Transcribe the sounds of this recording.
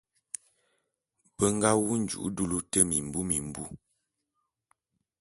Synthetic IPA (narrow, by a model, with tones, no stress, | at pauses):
bə˦ŋ˦ɡa˦wu˦n̩˨d͡ʒṵ˨ʔdu˦lu˦tə˦mi˨m̩˨bu˦mi˨m˨bu˦